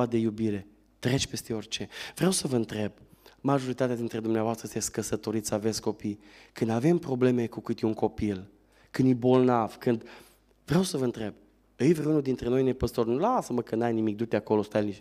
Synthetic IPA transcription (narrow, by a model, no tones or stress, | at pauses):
ad̪e̞jubiɾe̞ | t̪ɾe̞t͡ʃʲpe̞st̪e̞o̞rʲt͡ʃe̞vɾeewsəvəɨnt̪ɾe̞b̚maʒo̞ɾit̪at̪ead̪int̪ɾe̞d̪umneavoast̪ɾəest̪esʲt̪kəsət̪o̞ɾit̪save̞t̪sko̞pi | kɨnd̪ave̞mpɾo̞ble̞me̞kukɨt̪iuŋko̞pil | kɨnd̪jibo̞lnav̥kɨnd̪ | vɾeewsəvəɨnt̪ɾe̞b̚ | ɨjvɾeunud̪int̪ɾe̞no̞jne̞pəst̪o̞rnulasəməkɨnnajnimik̚d̪ut̪eako̞lo̞st̪ajniʃ